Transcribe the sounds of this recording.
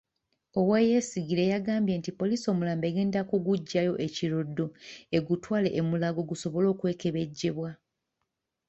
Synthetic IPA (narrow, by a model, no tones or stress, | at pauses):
o̞weːje̞siɡiɾe̞jaɡaːmbje̞ːntipo̞liːso̞ːmulaːmbe̞ːɡe̞ːndakuɡuɟːajo̞ʔe̞ciɾo̞dːo̞e̞ɡutwaːle̞̰ʔːmulaɡo̞ɡuso̞βo̞lo̞ːkwe̞ːke̞βe̞ɟːe̞βwa